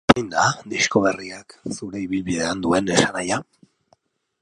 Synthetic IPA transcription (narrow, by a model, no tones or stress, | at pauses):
jnd̪ad̪isko̞β̞eriaksuɾe̞iβilβiðe̞and̪ue̞ne̞sanaja